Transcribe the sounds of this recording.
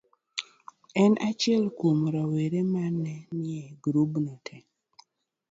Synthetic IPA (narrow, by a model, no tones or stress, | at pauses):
ɛnat͡ʃɪɛlkumɾaweɾemanːɛnɪɛɡɾubnɛtʰɛ